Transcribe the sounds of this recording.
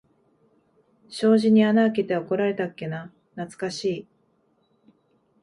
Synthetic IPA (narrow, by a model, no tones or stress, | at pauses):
ɕo̞ːʑiɲ̟ianaːket̪e̞ako̞ɾaɾe̞t̪akːe̞na | nat͡sɨ̥kaɕiː